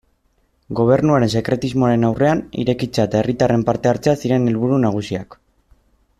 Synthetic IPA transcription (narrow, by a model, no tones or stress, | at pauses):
ɡo̞β̞e̞ɾnuaɾe̞nse̞kɾe̞t̪izmo̞aɾe̞nawre̞anḭɾe̞kit͡saet̪ae̞rit̪are̞mpaɾt̪e̞aɾt͡seasiɾe̞ne̞lβuɾunaɣ̞usia̰k